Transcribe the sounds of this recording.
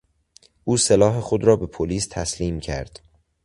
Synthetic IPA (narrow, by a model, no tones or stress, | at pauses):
ʔuːselɒːɦe̞xod̪ɾɒːbe̞pʰoliːst̪ʰæsliːmcʰæ̰ɾd̪̥